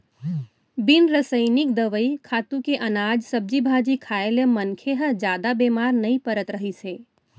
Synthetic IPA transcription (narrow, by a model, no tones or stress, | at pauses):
bɪnɾəsəɪnɪkd̪əʋəikʰaːt̪ũkeʔɐnaːd͡ʒsɐb̚d͡ʒibʱaːd͡ʒikʰaːelemɐnkʰeɦəd͡ʒjaːd̪abeːmaːɾnɐĩpəɾət̪ɾɐɦiseː